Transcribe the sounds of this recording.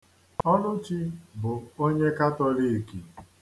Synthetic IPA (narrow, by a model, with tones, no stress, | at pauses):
ɔ˦nʊ˦t͡ʃi˦bʊ˨o˦ɲe˦ka˦tɔ˦ɾi˦˨ki˨